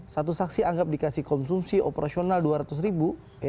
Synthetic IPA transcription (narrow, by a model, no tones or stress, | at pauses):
sat̪usaksiaŋɡap̚dikasihkɔnsumsiʔo̰peɾasionalduaɾat̪us̬ɾibu